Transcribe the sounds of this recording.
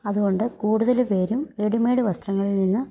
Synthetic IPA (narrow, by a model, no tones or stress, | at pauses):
ɐðuɣo̞ɳɖɨkuːɽuðɐlpe̞ːɾumreɽimeːɽɨʋɐst̪rɐŋːɐɭilninːɨ